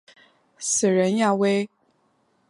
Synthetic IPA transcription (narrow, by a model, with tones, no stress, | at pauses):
s̩˨˩ɻə˧˥nja˥˩we˥ɪ